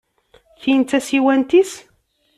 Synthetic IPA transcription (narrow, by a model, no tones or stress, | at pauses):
çijənt͡s̪ːæsiwænt̪is